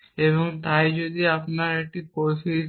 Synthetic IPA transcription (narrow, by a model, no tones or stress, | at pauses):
eβoŋt̪ajd͡ʒod̪iapnaɾek̚ʈikoʃʰi